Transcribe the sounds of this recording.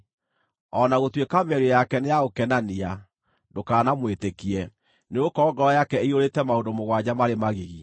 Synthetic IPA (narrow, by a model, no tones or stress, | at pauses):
ɔnaɣotwekamɛɾojakɛnejaɣokɛnania | dokaːnamwetekiɛ | neokɔɡɔɾɔjakɛeioɾetɛmaondomoɣwad͡ʑamaɾemaɣeɣi